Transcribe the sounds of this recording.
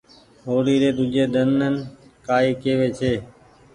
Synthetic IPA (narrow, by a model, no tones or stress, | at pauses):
ɦoːɽiːɾeːd̪ʊd͡ʒʱeːd̪ənənkaːiːkeːʋeːt͡ʃʰeː